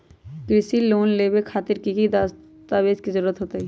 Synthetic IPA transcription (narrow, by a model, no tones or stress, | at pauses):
kɾɪsiloːnleːbekʰaːt̪ɪɾkiɡid̪aːs | t̪aʋeːzkizəɾuːɾət̪ɦoːt̪aɦɛ